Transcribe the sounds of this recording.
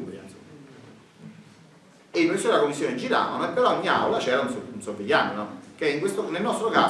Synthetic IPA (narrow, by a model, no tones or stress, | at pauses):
a̰n | emusuelakomːisːjoːned͡ʒiɾa̰ːvanoɛpːeɾɔoɲːia̰wlat͡ʃɛːɾaunsounsoviʎːaːninɔkeiŋkwest̪onelnɔst̪ɾokaː